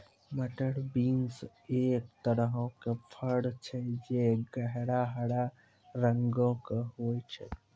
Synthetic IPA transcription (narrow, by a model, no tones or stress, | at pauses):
məʈəɽbiŋs | eːk̚t̪əɾəɦõkepʰəɽt͡ʃʰed͡ʒeɡəɦɽaɦəɽa | ɾəŋɡõkeɦoːjt͡ʃʰe